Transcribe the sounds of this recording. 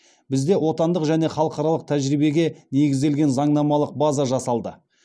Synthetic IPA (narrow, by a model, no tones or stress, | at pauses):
bɪzd̪e̞wo̞t̪ɑnd̪əqʒæne̞χɑlˠəqɑɾɑlˠəq̚t̪ʰæʒɾijbe̞ɡʲe̞ne̞ɡʲɪzd̪e̞lɡʲe̞nzɑɴnɑmɑlˠəq̚bazɑʒɑsɑlˠd̪ə